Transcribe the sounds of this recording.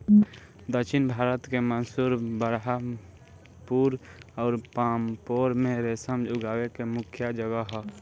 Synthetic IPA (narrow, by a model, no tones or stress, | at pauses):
d̪əʃʰɪnbʱaːɾət̪kemənsuːɾbəɾɦa | puːɾɔːɾpaːmpoːɾmẽɾeːsəmd͡ʒʊɡaːwekemʊkʰjad͡ʒəɡəɦɛ